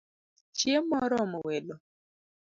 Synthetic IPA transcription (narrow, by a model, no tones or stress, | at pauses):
t͡ʃjemɔɾɔmɔwɛlɔ